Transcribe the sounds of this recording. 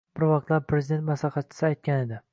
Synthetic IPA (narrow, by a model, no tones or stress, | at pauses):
b̥ɪɾvɑq̚t̪laɾpʰɾezɪd̪e̞nt̪maslɑχɑt̪̚t͡ʃʰɪ̥sɪajt̪̚kʲane̞d̪ɪ